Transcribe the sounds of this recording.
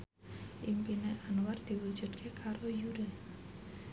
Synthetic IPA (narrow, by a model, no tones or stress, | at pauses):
ʔimpineʔanward̪̥i̤wud̥d͡ʒ̥ṳd̪kʰekʰaɾojuɾə